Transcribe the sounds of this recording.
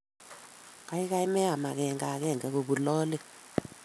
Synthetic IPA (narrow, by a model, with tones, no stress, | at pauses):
ka˦i˦ka˦i˦mɛ˦a˨ma˨kɛ˨ŋɡa˨kɛ˦˨ŋɡɛ˨ko˨bu˨lɔː˦le˦